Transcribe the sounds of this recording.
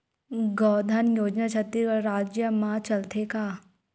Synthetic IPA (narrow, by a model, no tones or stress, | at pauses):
ɡɔːd̪ʱanjoːd͡ʒnat͡ʃʰɐt̪ːiɾɾaːd͡ʒjəmat͡ʃɐlt̪ʰekaː